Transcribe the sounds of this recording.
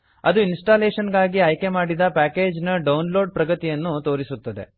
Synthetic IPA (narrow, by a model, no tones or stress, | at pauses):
ɐd̪uinsʈaːleːʂɐnɡaːɡiɐjke̞maːɽid̪ɐpaːke̞ːd͡ʒnɐɖɐwnlo̞ːɖ̚pɾɐɡɐt̪ijɐnːut̪o̞ːɾisut̪ːɐd̪e̞̰